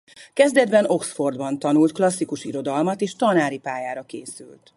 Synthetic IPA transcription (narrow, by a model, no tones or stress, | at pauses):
kɛzd̪ɛd̪bɛno̞ksfo̞rd̪bɒnt̪ɒnult̪klɒsːikuʃḭɾo̞d̪ɒlmɒt̪eːʃt̪ɒnaːɾipaːjaːɾɒkḛːsy̰lt̪